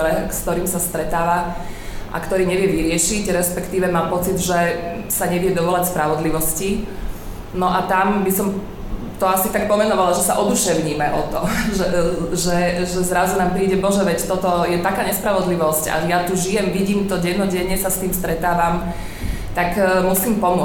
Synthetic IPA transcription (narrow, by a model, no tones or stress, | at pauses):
ɾɛkskt̪ɔɾiːmsast̪ɾɛt̪aːʋaʔa̰kt̪ɔɾiːɲɛʋjɛʋiɾɪɛʃiɟɾɛspɛkt̪iːʋɛmaːmpɔt͡sid̪ʒɛ | saɲɛʋɪɛd̪ɔʋɔlacspɾaʋɔd̪liʋɔsci | nɔʔat̪ambisɔm | t̪ɔasit̪ak̚pɔmɛnɔʋalaʒɛsa̰ʔɔd̪uʃɛʊɲiːmɛʔɔt̪ɔʒɛʒɛʒɛzɾazunaːmpɾiːɟɛbɔʒɛʋɛct̪ɔt̪ɔjɛt̪akaːɲɛspɾaʋɔd̪liʋɔsca̰jat̪uʒijɛmʋiɟiːmt̪ɔɟɛnnɔɟɛɲɛsast̪iːmst̪ɾɛt̪aːʋam | t̪akmusiːmpɔmʊɔ